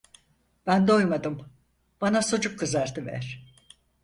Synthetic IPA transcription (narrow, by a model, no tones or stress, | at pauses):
b̥ænd̪ojmad̪ɯm | b̥anasod͡ʒukʰːɯzaɾt̪ʰɯvæ̰ɾ̥